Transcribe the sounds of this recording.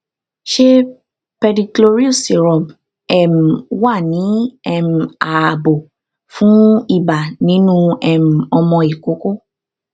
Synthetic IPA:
ʃe˦ | pɛ˧di˧klo˧ɾi˦u˦˨se˨ɾɔ˨b | ɛ˦˨m̩˨wa˦˨nĩ˨˦ɛ˧m̩˨a˨a˨bo˨ | fũ˨˦i˦˨ba˨nĩ˨˦nũ˦ɛ˦˨m̩˨ɔ˧mɔ̃˧i˨ko˨˦ko˦

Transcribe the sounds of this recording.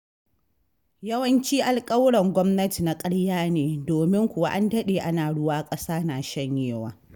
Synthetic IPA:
jɐ˦wɐ˦nt͡ʃiː˦ʔa˨lkʼɐ˦wɽɐ˨ŋɡʷɔ˦mnɐ˦ti˨na˨kʼɐ˦ɽjaː˦neː˨doː˨mɪ˦ŋkʷʊ˨wa˦ʔa˦ndɐ˦ɗeː˨ʔa˦naː˨ɽʊ˦waː˦kʼɐ˦saː˦naː˨ʃɐ˦ɲjeː˦wa̰ː˨

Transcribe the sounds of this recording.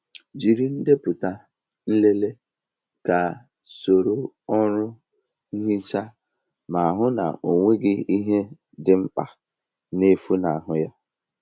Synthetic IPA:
d͡ʒi˨ɾi˨n̩˦de˦pʊ˨ta˨ | n̩˦le˦le˦ | ka˨ | so˨ɾo˨ | ɔ˦ɾʊ˦ | i˦ɦi˦t͡ʃa˦ | ma˨a˨ɦʊ˦na̰˨o˨ŋʷe˦ɡɪ˦i˦ɦe˦ | dɪ˨ŋ͡m̩˦k͡pa˨ | ne˦fu˦na˨a˨ɦʊ˦ja˦

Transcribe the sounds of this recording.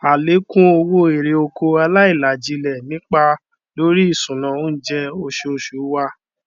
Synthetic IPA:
a˨le˨˦kũ˦o˧wo˦e˨ɾe˨˧o˧kʰo˧a˧la˦i˦˨la˨d͡ʒi˨˦lɛ˨nĩ˦k͡pa˧ | lo˦ɾi˦i˦˨sũ˨nã˨o˦d͡ʒɛ˦o˧ʃe˧o˧ʃu˨˦wa˦

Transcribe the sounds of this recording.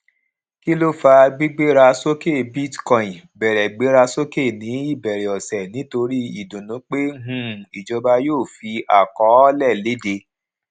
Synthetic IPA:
ki˦lo˦fa˧ɡ͡bi˦ɡ͡be˦ɾa˧so˦ke˦˨bi˦tkɔ̃˦˨ĩ˨bɛ˨ɾɛ˨ɡ͡be˨˦ɾa˧so˦ke˦˨nĩ˨˦i˦˨bɛ˨ɾɛ˨ɔ˨sɛ˨nĩ˨˦to˧ɾi˦ḭ˦˨dũ˨nũ˨˦k͡pe˦ɦũ˦˨i˨d͡ʒɔ˧ba˧joː˦˨fi˧a̰˨kɔ˨˦ɔ˦lɛ˦˨le˨˦de˧

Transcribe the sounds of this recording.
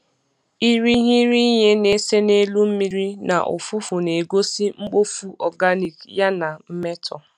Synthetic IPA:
i˦ɾi˦ɦi˦ɾi˦ɲe˦ne˦se˦ne˦lu˦m̩˦mi˦ɾi˦na̰˨ʔʊ̰˨fu˦fu˨ne˨ɡo˦si˦ŋ͡m̩˦k͡po˦fu˦ʔɔ˨ɡa˦ni˨kja˦na˨m̩˦me˦tʰɔ̰˨

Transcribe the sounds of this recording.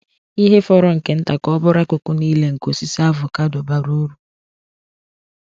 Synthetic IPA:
i˦ɦe˦fɔ˦ɾɔ˨ŋ̩˨ke˨n̩˦ta˨kɔ˦bʊ˦ɾa˦kʊ˨kʊ˦niː˦le˦ŋ̩˨ko˨si˦sa˦vʊ˨ka˦dʊ˨ba˦ɾo˦ɾu˨

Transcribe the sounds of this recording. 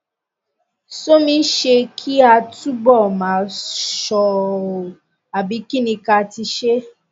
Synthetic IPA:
so˦mĩ˧˦ʃe˧kʰi˦a˧tu˦bɔ˦˨mãː˨˦ʃɔ˦˨ | a˨bi˨˦ki˦nĩ˧ka˧ti˧ʃe˦

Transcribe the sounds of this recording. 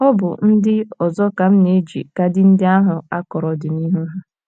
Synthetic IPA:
ɔ˦bʊ˨n̩˦dɪ˦ɔ˨zɔ˦ka˨m̩˦ne˨˦d͡ʒḭ˨ka˦dɪ˦n̩˦dɪ˦a˦ɦʊ˨a˦kɔ˨ɾɔ˨dɪ˨ni˦ɦu˦ɦʊ˦

